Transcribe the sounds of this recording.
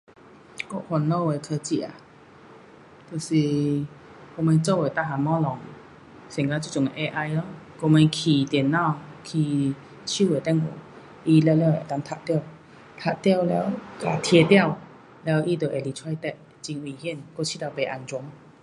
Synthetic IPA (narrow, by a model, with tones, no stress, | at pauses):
ko˥˧˥hwa˨˩nːɔ˥˧˨we˨kʰə˧t͡ɕi˧˩a̰˨˩ | t̪o˧˩si˧˩ | ko˧mẽ˧t͡so˥˧˨we˨˩t̪a˧ɦa˨mɔ˦lɔ˨˩ŋ | sɛ˨˩ŋka˧t͡ɕu˧˨t͡ɕɔ˨ŋe˨ʔe˧ʔa˧jlɔ˦ko˧me˧kʰi˨˩t̪nːã˥˧˨kʰi˨˩ | ɕu˥˧˨we˨˩t̪ɛ˥˧˨ŋo̰˨˩˦ | i˧lɛ˧˦˧lɛ˧˦˨e˨˩t̪a˧˦ŋt̪ʰa˧tt̪ɛ˦˧˨w | t̪ʰa˧˩t̪jɛ˥˧˨wlɛ˧˦wka˨˩t̪ʰje˧t̪ja˥˨w | lɛ˧˦wʔi˧t̪ə˨˩˨ʔe˨˩˨li˨˩t͡sʰwa˧jt̪ɛ˧˨ | t͡ɕi˧ŋwi˨hji˥˨nko˥˧˨t͡ɕʰi˧˨t̪a˧˩pe˨ʔa˧˩nt͡swu˧˦ŋ